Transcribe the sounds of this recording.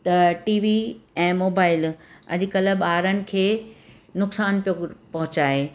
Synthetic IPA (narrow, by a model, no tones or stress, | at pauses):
t̪ɐʈiːʋiɛ̃ːmoːbaːɪlɐ̰ʄɪ̆kɐlə̆ɓaːɾənɪ̆kʰeː | nʊksaːnpijopɐɦʊt͡ɕaːɦeː